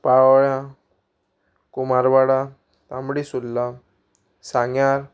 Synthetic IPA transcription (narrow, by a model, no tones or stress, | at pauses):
paɭʋɭjã | kumaɾbaɽa | t̪ãmbɽisulːa | sãŋɡjaɾ